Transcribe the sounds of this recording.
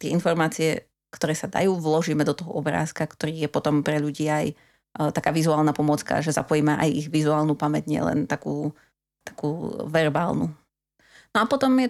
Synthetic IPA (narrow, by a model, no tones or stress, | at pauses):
t̪ɪɛinfɔɾmaːt͡siɛ | kt̪ɔɾɛːsad̪a̰juːʋlɔʒiːmɛd̪ɔt̪ɔɦɔɔbɾa̰ːskakt̪ɔɾiːjɛpɔt̪ɔmpɾɛʎuɟiːaj | t̪akaːʋizuaːlˠnapɔmɔt͡ska̰ʒɛza̰pɔjiːmɛʔajiɣʋizuaːlnupamɛɟɲɪɛ̰lɛ̰nt̪akuː | t̪ḁkuːʋɛɾbaːlnṵ | nɔapɔt̪ɔmjɛ